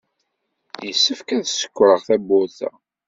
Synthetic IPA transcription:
jəsːəfkæðsə̥kʷːɾəʁθæbːʊɾθæ̰

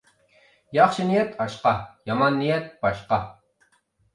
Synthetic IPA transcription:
jɑχʃɨnijɛt̪ʰɑʃqɑjɑmɑnːijɛt̪̚b̥ɑʃqɑ

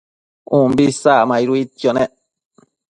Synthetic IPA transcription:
ũmbisamãiɾuit̪joneʔ

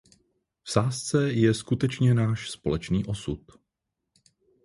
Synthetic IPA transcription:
fsaːst͡sɛjɛskut̪ɛt͡ʃɲɛnaːʃspo̞̰lɛt͡ʃniːʔo̞sut̪̚

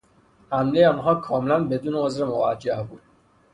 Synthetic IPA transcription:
hæmlejeɒːnɦɒːkʰɒːmelænbe̞d̪uːneozɾemovæd͡ʒːæhbuːd̪̥

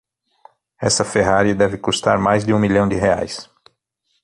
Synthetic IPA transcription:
ɛsɐfeɦaɾiɐd̪ɛvɪkust̪aɾmajzd̪ɪũmiʎɐ̃w̃d͡ʒɪɦea̰js

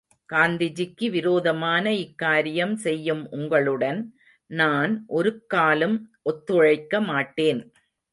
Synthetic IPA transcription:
kaːnd̪ɪd͡ʒɪkːɯʋɪɾoːðɐmaːnɐɪkːaːɾɪjɐmsɛjːɯmʊŋɡɐɭɯɽɐn | naːnʔɔɾɯkːaːlɯmʔɔt̪ːɯɻɐɪkːɐmaːʈːeːn

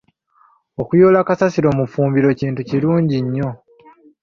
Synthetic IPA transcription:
okujo̞ːlakasasiɾo̞ːmufuːmbiɾo̞ciːntuciɾuːɲɟiɲːo̞

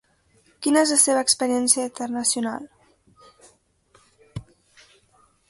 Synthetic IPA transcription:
kinəezlaəseβəːkspəɾiɛnsiəint̪ərnəsijuna̰lˠ

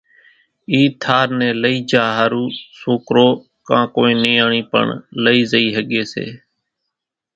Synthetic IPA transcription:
iːt̪ʰaːɾnɛ̃ːləiːd͡ʒaːɦaːɾuːsoːkɾoː | kãːkoːĩːniːaːɳiːpə̰ɳləiːzəiːɦəɠeːsḛː

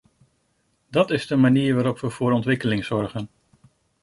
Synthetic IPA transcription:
dɑtɪzdəmaniːɹʋaːɾɔpʋəv̥ʊːɾɔntʋɪkəlɪŋz̥ɔɹχən

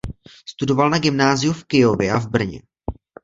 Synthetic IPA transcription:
st̪udo̞valnaɡɪmnaːzɪjufkɪjovɪʔavbr̩ɲɛ̰

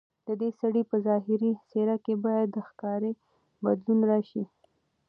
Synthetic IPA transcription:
d̪̥əd̪esaɽipəzɑɦɪɾiseɾakebɑjad̪ːəxkɑɾe | bad̪lunɾɑʃi

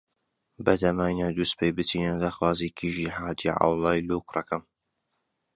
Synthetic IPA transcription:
bɐd̪ɐmaːjnad̪ust̪pʰejbɨt̪ʰiːnad̪axwaːzikʰiːʒiːɦaːd̪iʕa̰wlˠɑːjlukrɐkɐm

